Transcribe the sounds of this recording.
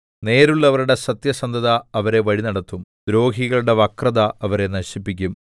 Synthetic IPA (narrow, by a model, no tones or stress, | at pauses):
ne̞ːɾuɭːɐʋɐɾuɽe̞sɐt̪jɐsɐnd̪ʱɐðɐːʋɐɾe̞ʋɐɻinɐɽɐt̪ːumd̪ɾo̞ːɦiɣɐɭuɽe̞ʋɐkrɐðɐɐʋɐɾe̞nɐɕipːikʲːum